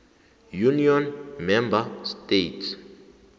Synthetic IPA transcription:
juniɔnmɛmbastetʰs

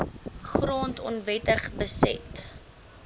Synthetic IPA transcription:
χroːntɔ̰nvɛtəχbəsɛ̰t

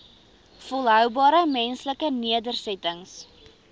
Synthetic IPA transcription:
fɔlˠɦœwbɑːɾəmɛnsləkəniədərsɛtəŋs

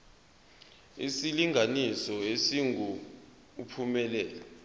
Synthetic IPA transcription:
ḭsiliŋʱanisɔesiŋu | upʰumɛlɛːlɛ

